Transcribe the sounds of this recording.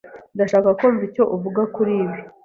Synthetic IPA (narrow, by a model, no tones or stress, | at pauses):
daʃaːkakoɱvico̞ʔuvuɡakuɾiːβi